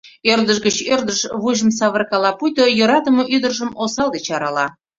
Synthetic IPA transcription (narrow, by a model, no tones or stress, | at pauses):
ørd̪əʃɡət͡ɕørd̪əʃβuʒəmsɑβərkɑlɑpujt̪ojəɾɑt̪əməʔyd̪ərʒəmosɑlˠd̪et͡ɕɑɾɑlɑ